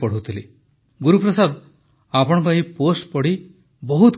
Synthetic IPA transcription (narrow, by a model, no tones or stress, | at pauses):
pɔɽ̤uwt̪ʰili | ɡuɾupɾɔsad̪ | apɔɽ̃ɔ̃ŋkɔɦiposʈpɔɽ̤i | bɔɦut̪